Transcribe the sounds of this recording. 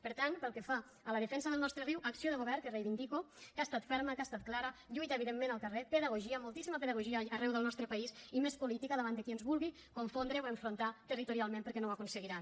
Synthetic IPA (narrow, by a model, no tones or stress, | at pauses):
pəɾt̪anpəlˠkefa | ələðəfɛnsəðəlˠnɔst̪ɾəriwʔəksioðəɣoβɛɾkərejβind̪ikokast̪at̪fɛɾməkast̪at̪̚klaɾəʎujt̪aeβiðemːenəlˠkərepəðəɣoʒiamolˠt̪isimapeðəɣ̞oʒiaːrɛwðəlˠnɔst̪ɾəpaisimespulit̪ikaðəβand̪əkiənzβulˠɣi | koɱfond̪ɾəoeɱfɾont̪at̪ərit̪uɾialˠmẽmpəɾkɛnowakunsəɣ̞iɾa